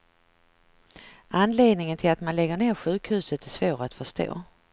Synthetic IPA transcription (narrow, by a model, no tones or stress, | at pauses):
ʔanːleːd̪nɪŋənt̪ʰɪlat̪manlɛɡːəɳeːɾɧʉ̟ːkhʉ̟ːsət̪æʂvoːɾat̪fœʂt̪o̰ː